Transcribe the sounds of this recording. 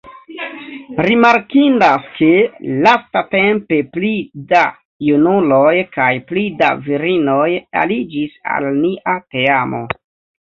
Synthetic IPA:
ɾimaɾkindaskelastate̞mpe̞plida | junulojkajplida̰viɾino̞ja̰lid͡ʒisa̰lniʔateamo̞̰

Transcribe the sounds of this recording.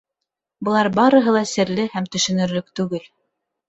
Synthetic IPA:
bɤ̆lˠɑɾbɑɾɤ̆ɦɤlˠɑsɘ̆ɾlɘhæmt̪ɵ̆ʃɵ̆nɵ̆ɾlɵk̚t̪ʉɡɘl

